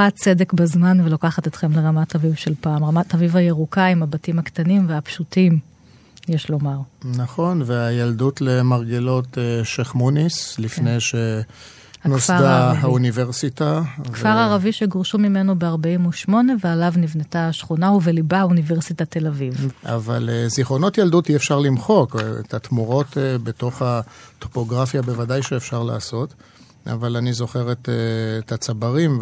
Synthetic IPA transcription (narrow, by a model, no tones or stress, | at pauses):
at͡sedekbazmanvelokaχatet̪χe̞mleʁamatavivʃe̞lpaːmʁamatavivajeʁukaimabatimhaktanimveapʃutim | jeʃlo̞maʁnaχo̞nveajaldutlemaʁɡelo̞t̪eʃeχmonislifnejʃe | anosadaɦauniveʁsitavkfaʁaʁaviʃeɡoʁʃumimenobeaʁbaimuʃmo̞ne̞vealavnivnetaʃχunauvelibauniveʁsitat̪elaviva̰va̰leziχono̞tjald̪utiefʃaʁlimχo̞kḛt̪at̪muʁo̞t̪beto̞χato̥po̞ɡʁafjabevadajʃeːfʃaʁla̰ːso̞t | a̰valanizo̞χe̞ʁeteːt̪at͡sabaʁim